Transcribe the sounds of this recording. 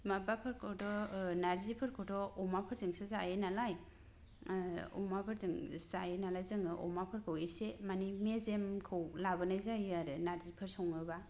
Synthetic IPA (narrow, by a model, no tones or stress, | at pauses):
mabapʰɯɾkʰowdɔnaɾzipʰɯɾkʰɯwdɔɔmapʰɯɾzɯŋsezajenalaj | ɔ̰mapʰɯɾzɯŋzajenalajzɯŋɯʔɔ̰mapʰɯɾkʰɯwesemanimezemkʰɯwlabɯnajzajaɾɯnaɾzipʰɯɾsɔŋɯba